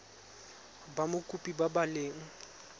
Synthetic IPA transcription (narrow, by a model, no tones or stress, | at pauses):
bamʊkʼupʼibabaleːŋ̩